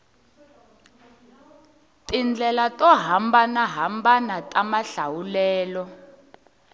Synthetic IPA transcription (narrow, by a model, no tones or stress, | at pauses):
tind͡ɮʱɛlatʼɔɦambanaɦambanatʼamaɬawulɛːlɔ